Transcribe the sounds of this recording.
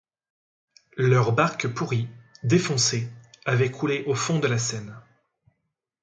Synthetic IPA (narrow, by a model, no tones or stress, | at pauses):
lœʁbaʁkpuʁid̪efɔ̃seavɛkʰuleʔofɔ̃d̪əlasɛn